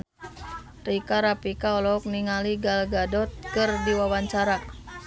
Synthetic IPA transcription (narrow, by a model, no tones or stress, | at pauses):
rikaɾapikaɔlɔk̚niŋaliɡalɡadɔt̪̚kɨrdiwawaɲt͡ʃaɾa